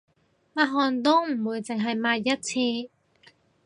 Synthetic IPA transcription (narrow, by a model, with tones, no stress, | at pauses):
maː˧ɦɔː˨˧nt̪̬o˥m̩˨˩wuː˨˧jt͡sɪ˨ŋɦɐ˨jmaː˧jɐ˥t̚t͡sʰiː˧